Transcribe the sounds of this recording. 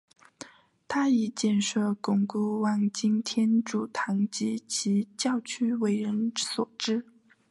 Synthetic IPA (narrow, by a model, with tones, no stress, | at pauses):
t̪ʰa˥i˨˩t͡ɕjɛ˥˧nʂɤ˥˩kʊ˨˩ŋku˥˩wɑ˥˩ŋt͡ɕi˥ŋt̪ʰjɛ˥nʈ͡ʂu˨˩t̪ʰɑ˧˥ŋt͡ɕi˧˥t͡ɕʰi˧˥t͡ɕjɑ˥˩ʊt͡ɕʰy˥we˧˥ɪɻə˧˥nswɔ˨˩ʈ͡ʂɻ̩˥